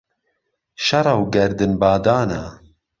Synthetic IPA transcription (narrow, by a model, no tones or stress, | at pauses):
ʃɐɾɑwɡɛɾd̪ɨnbaːd̪aːna